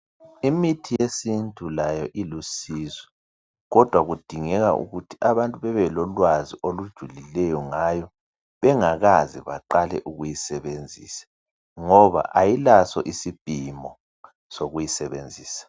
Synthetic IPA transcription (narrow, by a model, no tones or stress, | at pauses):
imitʰijesintʼʰulajɔʔilusiːzɛ | ɣɔd̥ʱwaɣud̥ʱiŋɛɣa̰ʔṵɣutʰiʔaβantʼuβɛβɛlɔlwaziʔolud̥ʒ̥ʱulilɛjɔŋajɔ | βɛŋaɣaziβa̰ǃalɛ̰ʔuɣujisɛβend͡zʱiːsḁ | ŋɔβa̰ʔajilasɔ̰ʔisib̥ʱimɔ | soɣujisɛβend͡zʱiːsḁ